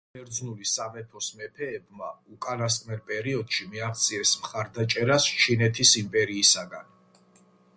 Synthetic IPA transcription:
ɛɾd̪znulisamɛpʰɔsmɛpʰɛːbmaukʼanas̬k̪ʼmɛɾpʼɛɾiɔd̪̥ʃimiaχt̪sʼʰiɛsmχaɾd̪at͡ʃʼɛɾast͡ʃʰinɛt̪ʰisimpʼɛɾiːsaɡan

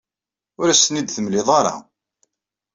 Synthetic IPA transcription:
ʊɾæsənid̪θəmlɪðˤɑɾˤɑ̰

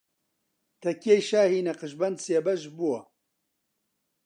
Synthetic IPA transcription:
t̪ʰɐkeːjʃaːhiːnɐqɨʃbɐnd̪seːbɐʒbuwɐ

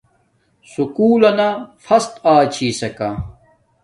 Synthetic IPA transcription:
sukuːlɐnafɐst̪aːt͡ɕʰiːsɐka

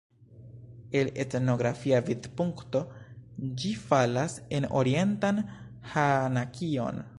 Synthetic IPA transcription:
e̞le̞tno̞ɡɾafiavidpuŋkto̞d͡ʒifalase̞no̞̰ɾie̞ntan | hanakʰio̞̰n

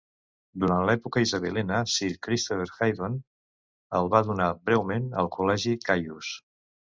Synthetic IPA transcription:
d̪uɾant̪lɛpukəizəβelɛnəsiɾkɾist̪ofeɾxajðon | əlˠβaðunabɾɛwmenə̰lˠkulɛʒikajus

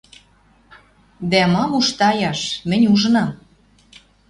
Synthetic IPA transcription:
d̪æmɑmuʃt̪ɑjɑʃmɘ̆nʲuʒənɑm

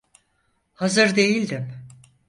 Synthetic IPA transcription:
hazɯɾd̪e̞jilʲd̪im

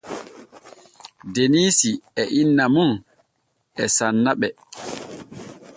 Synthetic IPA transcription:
deniːsiɛʔinːamun | ɛsanːaɓɛ

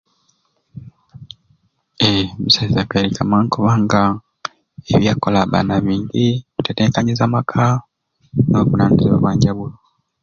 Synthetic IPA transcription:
emisaizakweɾikʰamaːŋkoβaːŋɡa | eβjaːkolaβa̰ːnaβiːɲɟiβuteteːŋkaɲizamakʰa | noβunaːniziβa̰βwaːɲɟaβulo

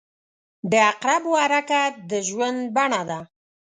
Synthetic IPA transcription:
d̪əaqɾabwaɾakad̪əʒwand̪̚baɳad̪a

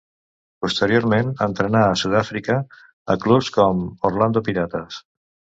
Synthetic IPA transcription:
pust̪əɾioɾmenənt̪ɾənaəsuðafɾikə | əklupskɔmorland̪opiɾat̪əs

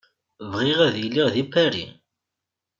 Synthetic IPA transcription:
vʁiʁæðilːiʁðipːæɾḭ

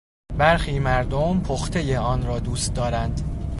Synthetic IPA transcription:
bæɾxiːmæɾd̪ompʰoxt̪ʰe̞jeɒːnɾɒːd̪uːst̪̚d̪ɒːɾænd̪

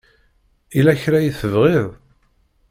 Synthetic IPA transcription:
ilæçɾæjiθəvʁɪðˤ

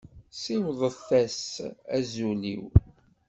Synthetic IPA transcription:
siwðˤəθæsæzulḭw

